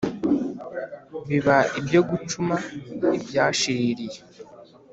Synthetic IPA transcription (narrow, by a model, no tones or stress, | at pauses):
βiβaibjo̞ɡut͡ʃumaibjaːʃiɾiɾije